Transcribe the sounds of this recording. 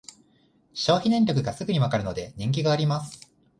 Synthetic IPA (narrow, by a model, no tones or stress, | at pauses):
ɕo̞ːçʲinẽ̞ɲɾʲo̞k̬ɯ̟ɡasɨɡɯ̟ɲ̟iβakaɾɯ̟no̞d̪e̞ɲ̟ʲĩŋk̬ʲiɡaːɾʲimasɨ̥